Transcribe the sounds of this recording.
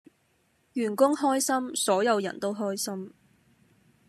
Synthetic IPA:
jyː˨˩nkʊ˥ŋhɔː˥jsɐ˥msɔː˨˥jɐ˨˧wjɐ̰˨˩nt̪o˥wɦɔː˥jsɐ˥m

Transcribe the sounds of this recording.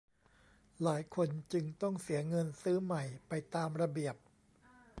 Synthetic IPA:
laː˩˦jkʰo˧nt͡ɕɯ˧ŋt̪ɔ˥˩ŋsi˩˦ɐŋɤ˧nsɯː˦˥ma˨˩jpa˧jt̪aː˧mɾa˧bi˨˩əp̚

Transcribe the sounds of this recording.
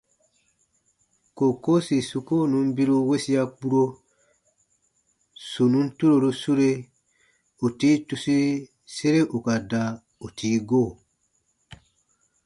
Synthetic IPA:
ko˨ko˦si˨su˧ko˦˨nũ˨˦m˦bi˦ɾu˦we˦si˦a˧k͡pu˦ɾo˦ | su˨nũ˦n̩˦tu˦ɾo˨ɾu˦su˦ɾe˦ | u˨tiː˦tu˦si˦ | se˦ɾe˦ʔu˨ka˨da˧ | u˨tʰiː˦ɡoː˦˨

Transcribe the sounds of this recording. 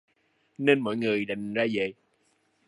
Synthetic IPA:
ne˧nmɔ̰˧˨jŋɨ˨˩əjɗa˨˩jŋ̟zaː˧ze˨˩j

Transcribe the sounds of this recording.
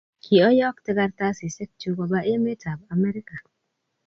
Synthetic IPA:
kʰi˨ɔ˦jɔ˦ktɪ˦ɡa˦rta˦sɪ˨sɛ˦k̚t͡ʃu˦kɔ˨˦ba˦ʔme˦tʰa˨ba˨mɛ˦ɾɪ˦ka˨

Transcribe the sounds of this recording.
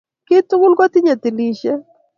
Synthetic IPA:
kɪ˦tʊ˦ɡʊ˦lɡɔ˦t̪i˦ɲe˨t̪i˨li˨ʃɛ˦

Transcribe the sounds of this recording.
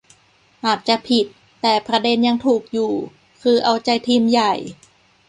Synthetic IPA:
ʔaː˨˩t̪̚t͡ɕa˨˩pʰi˨˩t̪ːɛː˨˩pʰɾa˧de˧nja˧ŋt̪ʰuː˨˩k̚juː˨˩ | kʰɯː˧ʔa˧wt͡ɕa˧jt̪ʰiː˧mja˨˩j

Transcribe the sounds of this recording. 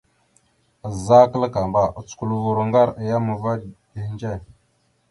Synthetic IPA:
ə˨za˦kə˦lə˦ka˨mba˨ʔt͡sku˦˨lvu˨ɾu˨ŋɡa˦ɾə˨ja˦mə˨va˦di˨˦nd͡ʒe˦˨

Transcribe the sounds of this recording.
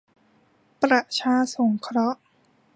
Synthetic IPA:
pɾa˨˩t͡ɕʰaː˧so˩˦ŋkʰɾɔ˦˥ʔ

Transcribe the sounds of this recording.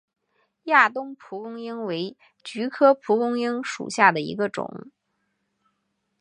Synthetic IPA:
ja˥˩t̪ʊ˥ŋpʰu˧˥kʊ˥ŋi˥ŋwe˧˥ɪ | t͡ɕy˧˥kʰɤ˥pʰu˧˥kʊ˥ŋi˥ŋʂṵ˨˩ɕja˥˩d̪ə˩ḭ˧˥ɡə˧ʈ͡ʂʊ̰˨˩˦ŋ

